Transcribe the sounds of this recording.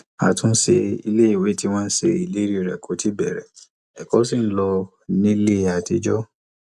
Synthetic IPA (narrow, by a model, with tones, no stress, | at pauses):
a̰˨tũ˦se˧ḭ˧le˦i˨we˨˦ti˦w̃ãː˦n̩˦se˧i˨le˦ɾi˦˨ɾɛ˨kʰo˨˦ti˦bɛ̰˨ɾɛ˨ | ɛ˨kɔ˨˦si˦˨n̩˦lɔ˧ | nĩ˦le˦˨a˨ti˧d͡ʒɔ˦